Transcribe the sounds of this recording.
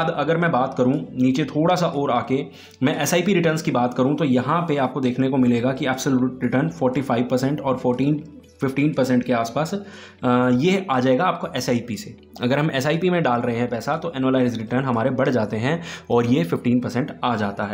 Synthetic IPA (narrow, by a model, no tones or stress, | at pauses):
d̪ɐɡəɾmɛ̃baːt̪kɐɾũniːt͡ʃet̪ʰoːɽasaʔɔːɾaːke | mɛ̃ʔɛsaːipiɾɪʈəɾnskibaːt̪kɐɾũt̪ojɐɦãpeaːp̚kod̪eːkʰnekomɪleːɡakiɛːpsəluːʈɾɪʈəɾnfɔːɾʈifaːɪʋpɐɾsɛ̃ɳʈɔːɾfɔːʈiːn | fɪfʈiːnpɐɾsɛ̃ɳʈ̚keaːspaːs | jeaːd͡ʒaːeːɡaːp̚koʔɛsaːipise | ɐɡəɾɦɐmɛsaːipimẽɖaːlɾɐɦẽɦɛ̃pɛːsat̪oʔɛnəlaːɪzɾɪʈəɾnɦɐmaːɾebɐɽd͡ʒaːt̪eɦɛ̃ɔːɾjefɪfʈiːnpɐɾsɛ̃ɳʈaːd͡ʒaːt̪aɦɛː